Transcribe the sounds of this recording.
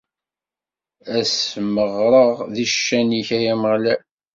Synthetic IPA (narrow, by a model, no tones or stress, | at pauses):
æsməʁɾˤəʁðiʃːæniçæjæməʁlæ